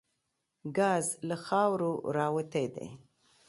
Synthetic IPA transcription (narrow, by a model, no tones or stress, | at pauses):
ɡɑzlaxɑwɾoɾɑwət̪ejd̪ḛ